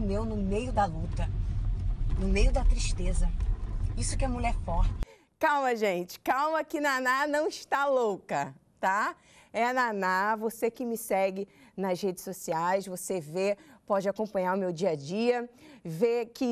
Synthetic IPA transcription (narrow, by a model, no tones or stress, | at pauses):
mewnʊmejʊd̪ɐlut̪ɐ | nʊmejʊd̪ɐt̪ɾiʃt̪ezɐisʊkɪɛmuʎɛɾfɔht͡ʃɪ̥ | kawmɐʒẽt͡ʃɪ̥kawmɐkɪnananɐ̃w̃ɪʃt̪alowkɐt̪a | ɛɐnanavosekɪmɪsɛɡɪnɐzhed͡ʒɪsosiajsvosevepɔd͡ʒɪakõpɐ̃ɲaɾʊmewd͡ʒiɐd͡ʒiɐvekɪ